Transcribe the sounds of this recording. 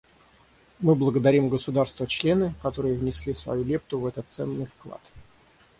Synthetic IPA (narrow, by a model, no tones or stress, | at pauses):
mɨblˠəɡəd̪ɐɾʲimɡəsʊd̪arst̪vət͡ɕlʲe̞nɨkɐt̪o̞ɾɨjəvnʲɪsʲlʲisvɐ̰julʲep̚t̪ʊvɛt̪ət̪sɛ̰nːɨjfklˠa̰t̪